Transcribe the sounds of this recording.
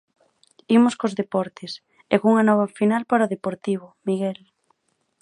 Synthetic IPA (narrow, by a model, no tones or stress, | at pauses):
imoskozðepɔɾt̪ɪs | ɛkuŋɐnɔβ̞ɐfinalpaɾaoðepoɾt̪iβ̞omiɣɛl